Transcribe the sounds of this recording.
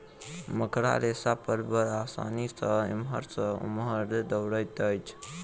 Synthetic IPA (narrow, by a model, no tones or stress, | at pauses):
məkɾa̰ɾesapəɾbəɾasa̰nisəḭmɦəɾsəṵmɦəɾd̪əwɾəjt̪əjt͡ʃʰ